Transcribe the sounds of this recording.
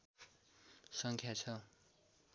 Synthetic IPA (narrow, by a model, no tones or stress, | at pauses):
sʌŋkʰjat͡sʰʌ